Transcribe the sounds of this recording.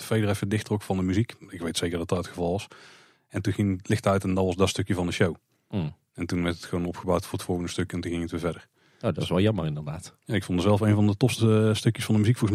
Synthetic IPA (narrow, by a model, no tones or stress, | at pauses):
əfejdərɛfədɪxtrɔkfɑndəmyzikɪkʋejtsejkərdɑt̚ɑtətxəvɑlˠʋɑs | ɛntunɣɪŋlɪxtəœɥtɛndɑʋɑzdɑtstɵkjəvɑndəʃow | ɛntunʋɛɹtətxəʋonɔpxəbawtfʊːɹətfɔlˠɣəndəstɵkɛntuɣɪŋətʋɪːvɛdər | nodɔtɪsʋɛlˠjɑmərɪndərdaːtjaːɪkfondəzɛlˠfejnvɑndətɔpstəstɵkjəsfɑndəmyzikfolˠɣəsm